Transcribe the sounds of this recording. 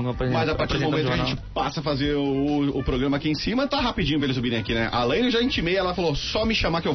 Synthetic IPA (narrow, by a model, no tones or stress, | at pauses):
ñpɾmɐjzapaɾt͡ʃiɾd̪momẽt̪kɐʒẽt͡ʃɪpasɐfazeɾʊʊpɾoɡɾɐ̃mɐakiẽsĩmɐt̪aɦapid͡ʒĩɲʊpɾɐelɪsoubiɾẽj̃akinɛʔa̰lẽj̃ewʒaĩnt͡ʃimejɛlɐfalosɔmɪʃãmakɪew